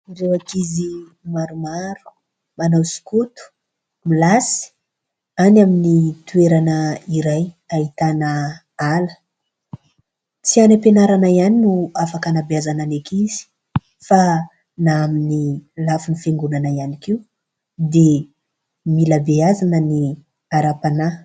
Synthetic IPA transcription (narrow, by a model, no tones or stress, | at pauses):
irewakizi | maɾumaɾu̥ | manawsu̥kut̪u̥ | milasi̥ | anaminit̪ueɾanəiɾaj | ait̪anə | alə̥ | t͡sianəpenaɾanajaninuafakanabeazananekiz̥i̥ | fa | naaminilafunifeŋɡunanaianikiw | d̪e | milabeazanəni | aɾapana